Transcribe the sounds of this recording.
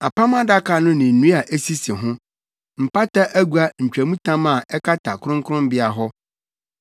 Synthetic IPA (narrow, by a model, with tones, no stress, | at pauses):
a˨pʰa˦mã˦da˦kʰa˨nʊ̃˦nɪ̃˨n̩˨nũ˦a˨ʔe˦si˦si˨ɦʊ̃˦ | m̩˨pʰa˦tʰa˦ʔæ˦ɡu˨˦a˦˨ɲ̩˨t͡ɕᶣæ˨mũ˦tʰã˦mã˨ɛ˦kʰa˦tʰa˨kʊ˦ʊ̃˦ŋkʰʊ˦ʊ̃˦m˦bɪ˦a˨ɦɔ˦